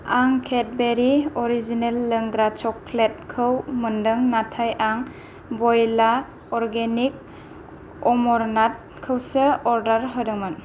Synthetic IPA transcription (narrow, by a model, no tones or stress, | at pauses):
aŋkʰet̚beɾiɔɾizinelːəŋɡɾat͡ʃɔklet̚kʰɯwməndɯŋnatʰajʔaŋ | bɔjla | ɔɾɡenik̚ | ɔmɔɾnat̚kʰɯwsɯɔɾdaɾɦɯdɯŋmɯn